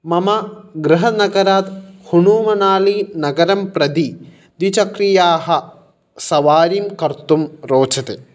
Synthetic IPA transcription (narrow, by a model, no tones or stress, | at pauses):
mɐmɐɡɾɐɦɐnɐɡɐɾaːt̪huɳuːmɐnaːlinɐɡɐɾɐmpɾɐd̪i | d̪it͡ʃɐkɾijaːɦɐ̆ | sɐʋaːɾimkɐɾt̪umɾoːt͡ʃɐt̪e